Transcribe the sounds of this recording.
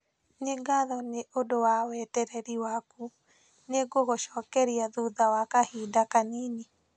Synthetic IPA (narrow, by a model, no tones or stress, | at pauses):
ɲeɡaðɔneʔodowawɛtɛɾɛɾiwaku | neɡoɣoʃɔːkɛɾiaðuðawakahiːdakaniːni